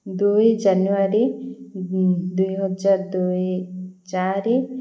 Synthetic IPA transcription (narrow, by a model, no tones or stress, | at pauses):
d̪ued͡ʒanuaɾe | d̪ujɦɔd͡ʒaɾd̪uet͡ʃaɾe